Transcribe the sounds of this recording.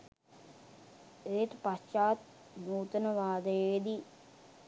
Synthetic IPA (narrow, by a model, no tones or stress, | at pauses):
eʈ̪past͡ʃaːt̪̚ | nuːt̪ənəʋaːd̪əjeed̪i